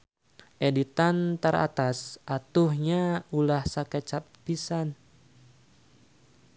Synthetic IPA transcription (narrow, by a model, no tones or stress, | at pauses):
ʔedit̪ant̪əɾa̰t̪asʔat̪uhɲaulahsakɛt͡ʃap̚ːisan